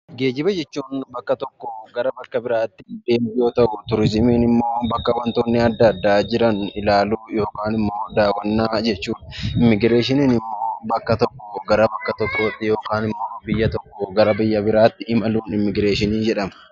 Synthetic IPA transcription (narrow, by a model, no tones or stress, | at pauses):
ɡe̞ːd͡ʒɪbɐd͡ʒɛt͡ʃːuːnbɐkːɐt̪ɔkːoɡɐɾɐbɐkːɐbɪɾaːt̪ːɪd̪e̞ːmbɪjoːt̪ɐʔʊt̪ʊɾɪsɪmeːnɪmːo̞ːbɐkːɐwɐnt̪o̞ːnːɪɐd̪ːɐːd̪ːaːd͡ʒɪɾɐnɪlaːluːjo̞ːkaːnɪmːo̞ːd̪aːwːɐnːaːd͡ʒɛt͡ʃːuːᶑɐ̥ɪmːɪɡɪɾe̞ːʃɪniːnɪmːo̞ːbɐkːɐt̪ɔkːɔɡɐɾɐbɐkːɐt̪ɔkːoːt̪ːɪjo̞ːkaːnɪmːoːbɪjːɐt̪ɔkːɔɡɐɾɐbɪjːɐbɪɾaːt̪ːɪʔɪmɐluːnɪmːɪɡɾeːʃɪniːnd͡ʒɛᶑɐmɐ̥